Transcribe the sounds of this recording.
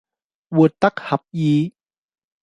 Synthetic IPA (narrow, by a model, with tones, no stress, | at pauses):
wu˨˩ət̪ːa˦˥k̚ha˨˦p̚jiː˨˦